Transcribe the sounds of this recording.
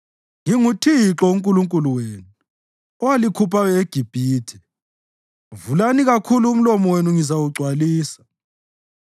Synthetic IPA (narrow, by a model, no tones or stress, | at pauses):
ŋiŋutʰiǁɔuŋkʼuluŋkʼuluweːnu | ɔwalikʰupʰajɛeɡ̥ʱib̥ʱiːtʰɛ̥ | vulaniɣakʰuluːm̩lɔmɔwenuŋizawuɡ͡ǀʱwaliːsḁ